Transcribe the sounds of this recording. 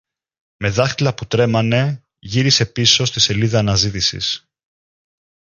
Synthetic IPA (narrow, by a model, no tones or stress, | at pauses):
me̞ðɐxt̪ilɐput̪ɾe̞mɐne̞ | ʝiɾise̞piso̞st̪ise̞liðɐːnɐzit̪isḭs